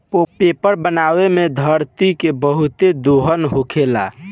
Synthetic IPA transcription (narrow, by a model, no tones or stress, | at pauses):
opepəɾbənawemed̪ʱəɾt̪ikebəɦut̪ed̪oɦənɦokʰela̰